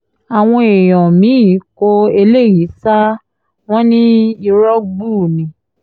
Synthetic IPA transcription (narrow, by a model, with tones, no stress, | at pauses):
a˨w̃ɔ̃˧e˨j̃ɔ̃˨mĩ˨˦˨ko˧e˧le˦˨ji˨˦sa˦ | w̃ɔ̃˦nĩ˦i˧ɾɔ˦ɡ͡buː˦˨nĩ˨˦